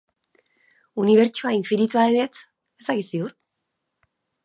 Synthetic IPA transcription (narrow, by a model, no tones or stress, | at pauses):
uniβ̞e̞ɾt͡ʃuaiɱfiɾit̪uaene̞t͡s | est̪akisiuɾ